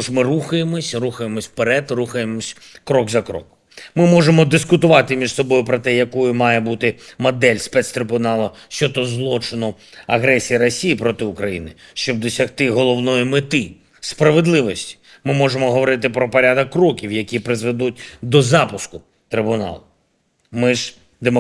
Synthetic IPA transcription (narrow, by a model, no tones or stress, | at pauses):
ʐmɪruxɐjemɔsʲruxɐjemɔsʲpeɾɛd̪ruxɐjemɔsʲ | kɾɔɡzɐkɾɔ̰k | mɪmɔʒemɔd̪ɪskʊt̪ʊʋɑt̪ɪmʲiʐsɔbɔjʊpɾɔt̪ɛjɐkɔjʊmɑjɛbut̪ɪmɐd̪ɛlʲspɛt̪st̪ɾɪbʊnɑlˠɔ | ʃt͡ʃɔt̪ɔzlˠɔt͡ʃɪnɔ | ɐɦɾɛsʲijɐɾɔsʲijipɾɔt̪ɪʊkɾɐjinɪʃt͡ʃɔb̚d̪ɔsʲɐxt̪ɪɦɔlˠɔwnɔjimɪt̪ɪ | spɾɐʋed̪lˠɪʋɔsʲtʲi̥ | mɪmɔʒemɔɦɔʋɔɾɪt̪ɪpɾɔpɔɾʲad̪ɐkːrɔkʲiwjɐkʲipɾɪzʋed̪ut̚ʲd̪ɔzɑpʊskʊ | t̪ɾɪbʊnɑ̰lˠʊ | mɪʒ | d̪emɔ